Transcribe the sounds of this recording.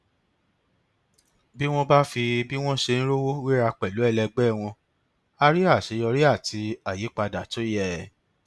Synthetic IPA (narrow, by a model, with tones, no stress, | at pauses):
bi˦w̃ɔ̃˦ba˦fi˧bi˦w̃ɔ̃˦ʃe˧ñ̩˦ɾo˦wo˦wi˦ɾa˧k͡pɛ˨lu˨˦ɛ˦˧lɛ˧ɡ͡bɛ˦˨w̃ɔ̃˧ | a˧ɾi˦a˦˨ʃe˨˧˦jɔ˧ɾi˦a˦˨tʰi˧a˨je˨˦k͡pa˧da˨to˨˦jɛ˦˨